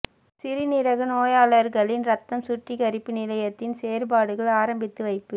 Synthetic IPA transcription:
sɪɾɪnɪɾɐɣɯnoːjaːɭɐɾɣɐɭɪnɾɐt̪ːɐmsʊʈrɪɣɐɾɪpːɯnɪlɐjɐt̪ːɪnseːɾbaːɽɯɣɐɭaːɾɐmbɪt̪ːɯʋɐɪpːɯ

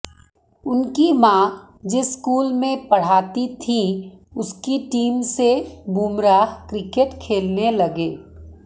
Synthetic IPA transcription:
ʊnkimãː | d͡ʒɪskuːlmẽpɐɽ̤aːt̪it̪ʰĩʊskiʈiːmsebʱuːmɾaːɦkɾɪkeʈkʰeːlnelɐɡeː

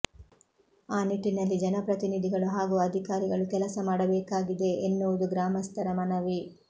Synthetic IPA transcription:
aːniʈːinɐlːid͡ʒɛnɐpɾɐt̪inid̪ʱiɡɐɭuɦaːɡuɐd̪ʱikaːɾiɡɐɭukɛlɐsɐmaːɽɐbɛːkaːɡid̪e̞ʔenːuʋɐd̪uɡɾaːmɐst̪ʰɐɾɐmɐnɐʋi

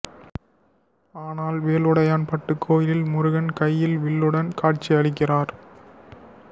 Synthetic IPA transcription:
aːnaːlʋeːlʊɽɐjaːnpɐʈːɯkːoːjɪlɪlmʊɾʊɣɐnkɐjːɪlʋɪɭːɯɽɐnkaːʈ̚t͡ʃːiɐɽɪkːɪraːɾ

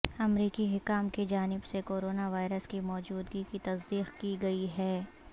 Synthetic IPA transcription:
ɐmɾiːkiɦɪkaːmked͡ʒaːnɪbsekoːɾoːnaʋaːɪɾəskimɔːd͡ʒuːd̪ɡikit̪ɐsd̪iːqkiɡɐiɦɛː

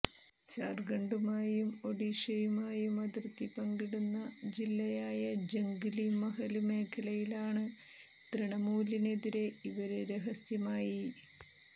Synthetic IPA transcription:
t͡ɕaːrɡɐɳɖumaːjumo̞ɽiʂɐjumaːjumɐd̪rt̪ːipɐŋɡiɽunːɐd͡ʑilːɐjaːjɐd͡ʑɐŋɡilimɐɦɐlume̞ːkʰːɐlɐjilaːɳɨ | t̪riɳɐmuːline̞ðiɾe̞iʋɐɾeɾeɦɐsjɐmaːji

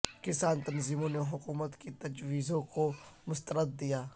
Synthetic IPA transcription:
kɪsaːnt̪ɐnziːmõneɦʊkuːmət̪kit̪ɐd͡ʒwiːzõkomʊst̪əɾəd̪̚ːijaː

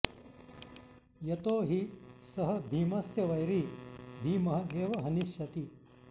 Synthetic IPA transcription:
jɐt̪oːɦisɐɦɐ̆bʱiːmɐsjɐʋɐjɾib̪ʱiːmɐɦɐ̆eːʋɐɦɐniʃjɐt̪i

